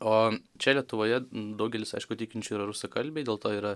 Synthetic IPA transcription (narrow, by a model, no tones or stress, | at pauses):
oːt͡ʃʲɛlʲiɛt̪ʊʋoːjɛd̪ɐʊɡʲɛlʲɪsɐ̰ɪʃkʊt̪ʲɪkʲɪnʲt͡ʃʲʊiːɾɐɾʊsokɐlʲbʲeːɪdʲeːlˠt̪oːiːɾɐ